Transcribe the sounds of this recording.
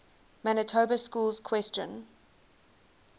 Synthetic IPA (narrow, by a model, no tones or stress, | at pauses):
mænətʰobəskuːlˠz̥kʰw̥ɛst͡ʃə̰̃n